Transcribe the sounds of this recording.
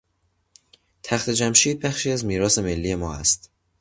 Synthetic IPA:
t̪ʰæxt̪ʰe̞d͡ʒæmʃiːd̪̚bæxʃiːæzmiːɾɒːse̞me̞lːiːe̞mɒːæ̰st̪

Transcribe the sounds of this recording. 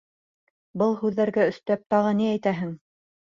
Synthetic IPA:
bɤlˠhʉðːæɾɡæɵ̆st̪æp̚t̪ɑʁɤniæjt̪æɦɘŋ

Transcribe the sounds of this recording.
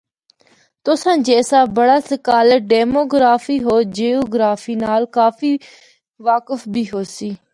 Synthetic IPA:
t̪ʊsãːd͡ʒɛːsaːbəɽaːsəkaːlɖeːmoːɡɾaːfiːɦoːd͡ʒeːoːɡɾaːfʰiːnaːlkaːfʰiː | ʋaːkəfbʱiːɦoːsiː

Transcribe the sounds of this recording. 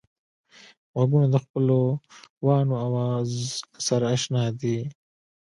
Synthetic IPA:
ɣwaɡunod̪əxpəlowɑːnoawɑːzsɐɾaːʃnɑːd̪i

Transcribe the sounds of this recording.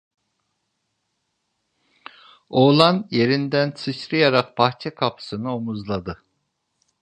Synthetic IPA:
oːlˠanje̞ɾind̪ænsʰɯʃɾɯjaɾaq̚baxt͡ʃʰɛkʰapʰɯ̥sɯnɯomuzlˠad̪ɯ

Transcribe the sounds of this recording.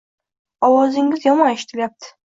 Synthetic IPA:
ɒwɒzɪŋɡʲizjɒmɑneʃit̪ʰɪlʲjap̚t̪ʰɪ̥

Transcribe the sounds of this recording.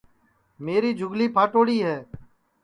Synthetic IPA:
meːɾiːd͡ʒʱʊɡliːpʰaːʈoːɽiːɦɛː

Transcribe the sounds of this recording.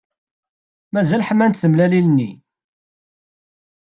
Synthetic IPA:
mæzælħəmːænt̪θəmlælilənːḭ

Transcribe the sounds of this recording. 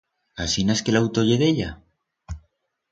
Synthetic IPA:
asineskelawt̪oʝe̞ðe̞ʎa

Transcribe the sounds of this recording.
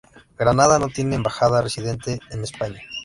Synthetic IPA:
ɡɾanaðano̞t̪je̞neːmbaxaðaresiðe̞nt̪eːnespaɲa

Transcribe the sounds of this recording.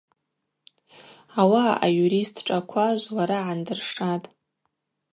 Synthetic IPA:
awaʔa̰juɾistʰʈ͡ʂʼakʷʰaʒʷlaɾaʕandɨrʂatʼ

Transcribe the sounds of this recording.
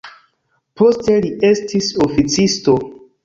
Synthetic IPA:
po̞ste̞liʔe̞stisofit͡sisto̞

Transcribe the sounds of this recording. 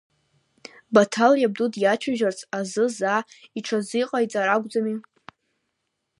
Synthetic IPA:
batʰaljab̚dudjat͡ʃʷʰaʒart͡sʰʼazɨzaːiʈ͡ʂʰaziqʼajt͡sʼaɾaɡʷd͡zami

